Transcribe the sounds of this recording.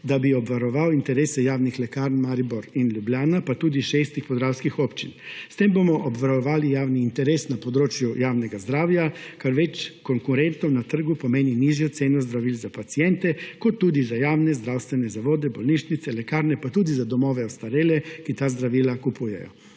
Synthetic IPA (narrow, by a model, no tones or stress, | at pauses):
d̪abiɔbʋaɾɔʋawint̪ɛɾeːsɛjaːwnixlɛkaɾnmaɾibɔɾinljubljaːnapat̪uːd̪iʃeːst̪ixpɔzɾaːwskixɔpt͡ʃinst̪embomɔʔɔbʋaɾɔʋaːlijaːwniːnt̪ɛɾeːsnapɔd̪ɾoːt͡ʃjujaːwnɛɡazd̪ɾaːwjakaɾʋɛt͡ʃkɔŋkuɾɛnt̪ɔwnat̪əɾɡupɔmeːniniːʒjɔt̪seːnɔzd̪ɾaʋiːlzapat̪sijɛnt̪ɛkɔt̪ːuːd̪izajaːwnɛzd̪ɾaːwst̪ʋɛnɛzaʋoːd̪ɛbɔlniːʃnit̪sɛlɛkaːɾnɛpat̪uːd̪izad̪ɔmɔːʋɛɔst̪aɾeːlɛkit̪aːzd̪ɾaʋiːlakupuːjɛ̰jɔ̰